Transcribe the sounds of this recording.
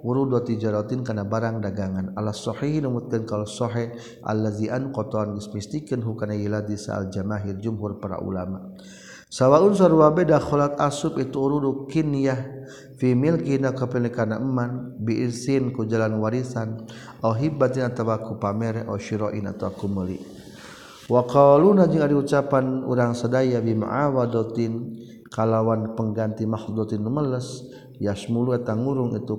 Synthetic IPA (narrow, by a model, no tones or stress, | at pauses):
uɾudɔt̪id͡ʒaɾɔt̪inkanabaɾaŋdaɡaŋanalasɔħiɦinumut̪̚kankalsɔɦɛh | ʔa̰lːaziʔankɔt̪ɔanɡəsmist̪ikənɦukanajilad̪isa̰a̰ld͡ʒamaɦird͡ʒumɦurpaɾa̰ʔṵlama | sawauns̬aɾuwabɛdaxɔlat̪asupit̪uːɾudukinjah | fimilkinakapəlikanaʔəmːanbiʔisinkud͡ʒalanwaɾisan | aɦibat̪inat̪awakupamɛɾɛʔɔ̰ʃiɾɔʔina̰t̪awakuməlḭ | wakalunad͡ʒiŋadiut͡ʃapanṵɾaŋsadajabimṵʕa̰wadɔt̪in | kalawanpəŋɡant̪imahud̪ɔt̪inːəmələs | jaʃmuluat̪aŋuɾʊŋit̪u